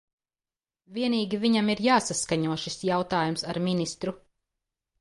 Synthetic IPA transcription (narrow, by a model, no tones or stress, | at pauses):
viɛniːɡʲiviɲamiɾjaːsaskaɲuɔʃisjawt̪aːjumsaɾminist̪ɾu